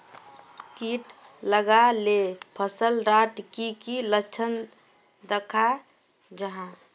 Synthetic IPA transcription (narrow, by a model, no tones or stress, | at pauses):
kiʈ | ləɡalepʰəsəlɾaʈkikilət͡ʃʰən | d̪əkʰa | d͡ʒəɦã